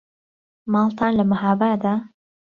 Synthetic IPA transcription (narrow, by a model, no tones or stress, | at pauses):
mɑːlˠt̪ʰaːnlɐmahaːbaːd̪aː